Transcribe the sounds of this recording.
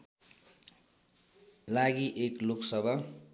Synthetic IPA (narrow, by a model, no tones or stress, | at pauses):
laɡiʔekloksʌbʱa